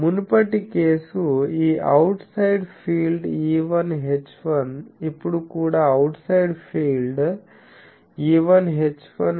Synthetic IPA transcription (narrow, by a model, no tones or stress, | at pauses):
munpɐʈːikeːsuiːɐwʈsɐjɖpʰiːlɖiːʋɐnɦet͡ʃːʋɐnipːuɽukuːɽaɐwʈsɐjɖpʰiːlɖ | iːʋɐnɦet͡ʃːʋɐn